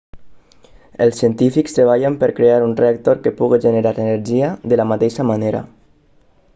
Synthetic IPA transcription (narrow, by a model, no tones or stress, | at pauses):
elˠsiənt̪ifikst̪ɾeβ̞aʎampəɾkɾeaɾunreak̚t̪oɾkepuɣeʒeneɾaɾəneɾʒiaðəlamat̪eʃamaneɾa̰